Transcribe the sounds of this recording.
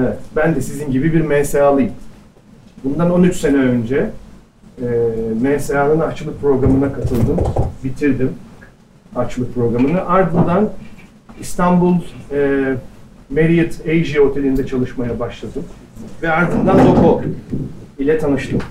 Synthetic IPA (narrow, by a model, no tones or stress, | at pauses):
ɛvɛt̪bænd̪ɛsizinɟibibiɾmɛnseaːlˠɯjɯm | bund̪ano̞nyt͡ʃse̞nɛø̞nd͡ʒɛ | mɛnseaːlˠɯnat͡ʃɯlˠɯk̚pʰɾo̞ɡɾamɯnakʰat̪ʰɯlˠd̪ɯmbit̪ʰiɾd̪im | at͡ʃɯlˠɯk̚pʰɾo̞ɡɾamɯnɯʔaɾd̪ɯnd̪an | ist̪ʰanbulˠɛː | meɾijɯt̪ejʒio̞t̪ʰe̞lʲind̪ɛt͡ʃʰalˠɯʃmajabaʃlˠad̪ɯm | vɛaɾd̪ɯnd̪anlo̞kʰo | ilʲɛt̪ʰanɯʃt̪ʰɯm